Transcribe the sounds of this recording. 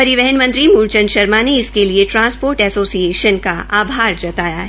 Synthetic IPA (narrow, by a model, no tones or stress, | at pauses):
pɐɾɪʋɛɦənmɐ̃nt̪ɾimult͡ʃə̃nʃɐɾmaneɪskelieʈɾãːnspoːɾʈɛsoːsieːʃənkaʔaːbʱaːɾd͡ʒɐt̪aːja̰ɦ